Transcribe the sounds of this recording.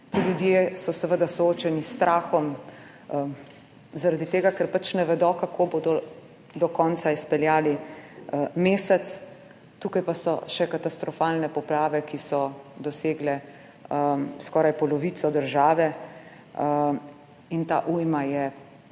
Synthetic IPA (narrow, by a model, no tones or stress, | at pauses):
t̪iːljud̪jesɔsɛʋəd̪asɔoːt͡ʃɛnist̪ɾʔaːxɔm | zaɾad̪it̪eːɡakɛɾpat͡ʃnɛʋɛd̪ɔkakʰoːboːd̪ɔ | d̪ɔkɔːnt̪saispɛljaːli | meːsɛt̪s | t̪uːkajpasɔ̰ʃɛkat̪ast̪ɾɔfaːlnɛpɔplaːʋɛkisɔd̪ɔseːɡlɛ | skɔːɾajpɔlɔʋiːt̪sɔd̪əɾʒaːʋɛ | int̪a̰ːʔujmajɛ